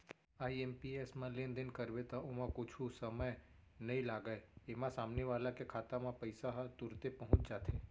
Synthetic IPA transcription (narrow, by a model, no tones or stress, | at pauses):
aːiempiesmãlẽːnd̪ɪnkɐɾʋet̪aʊmãkʊt͡ʃʰusɐməjnɐɦĩlaːɡəeemãsaːmneʋaːlakekʰaːt̪amãpɐɪsaɦt̪ʊɾt̪epɐɦʊ̃t͡ʃd͡ʒaːt̪ʰeː